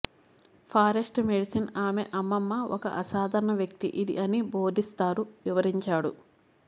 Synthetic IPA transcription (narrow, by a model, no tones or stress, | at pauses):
pʰaːɾesʈmeɽisɐnaːmeʔɐmːɐmːɐɔkɐ̰ʔɐsaːd̪ʱɐɾɐɳɐʋjɐk̚t̪ḭʔid̪ḭʔɐniboːd̪ʱist̪aːɾuʋiʋɐɾiɲt͡ʃaːɽu